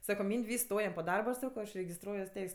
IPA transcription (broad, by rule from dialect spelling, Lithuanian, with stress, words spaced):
ˈsɑːkoː ˈmʲiːnʲtʲ ˈʋʲiːsks ˈstoːjɛm poː ˈdɐrbɐ ɐʃ ˈsɑːkoː ɐʃ rʲɛɡʲɪsˈtruɔjuɔs ˈtʲɛɪsʲ